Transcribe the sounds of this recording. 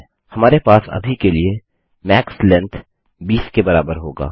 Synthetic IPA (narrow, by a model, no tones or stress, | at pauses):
hɐmaːɾepaːsɐ̰bʱikelie | mɛːkslɛ̃nt̪ | biːskebɐɾaːbəɾɦoːɡa̰ː